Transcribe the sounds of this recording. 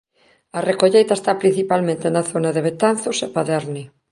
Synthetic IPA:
ɐrekoʎejt̪aɐest̪apɾin̟θipalmẽnt̪enaθonɐðeβ̞et̪anθʊsepaðɛɾni

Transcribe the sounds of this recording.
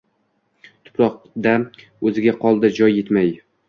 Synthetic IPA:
t̪ʰʊ̥pɾɒq̚ | d̪a | ɵzɪɡʲaqʰɒlˠd̪ɪd͡ʒɒjːe̞t̪maj

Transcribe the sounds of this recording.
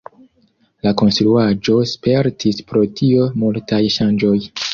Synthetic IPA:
lako̞nstɾuad͡ʒo̞spe̞ɾtʰispɾo̞tʰio̞multajʃand͡ʒo̞j

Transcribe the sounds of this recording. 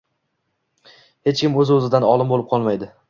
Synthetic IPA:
he̞t͡ʃkʲɪmɵzɵzɪd̪anɒlˠɪmbolˠɪp̚qʰɒlˠmajd̪ɪ

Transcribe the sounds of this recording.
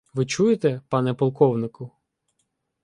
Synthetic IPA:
ʋɪt͡ʃujet̪ɛpɑnɛpɔlˠkɔwnɪkʊ

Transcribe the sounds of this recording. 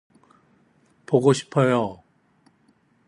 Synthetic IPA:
poɡoɕʰi̥pʰʌjo

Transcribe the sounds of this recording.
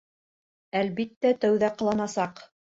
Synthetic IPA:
ælbit̪ːæt̪æwðæqɤ̆lˠɑnɑsɑq

